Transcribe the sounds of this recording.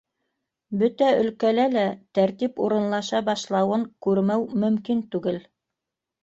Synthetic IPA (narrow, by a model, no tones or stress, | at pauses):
bɵt̪æɵ̆lkælælæt̪æɾt̪ipuɾɤ̆nlˠɑʃɑbɑʃlˠɑwɤŋkʉɾmæwmɵ̆mkint̪ʉɡɘl